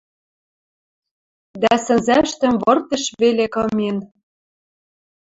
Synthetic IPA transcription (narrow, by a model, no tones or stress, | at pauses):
d̪æsɘ̆nzæʃt̪ə̆mβɤ̆rt̪ɤ̆ʃβelekɤ̆men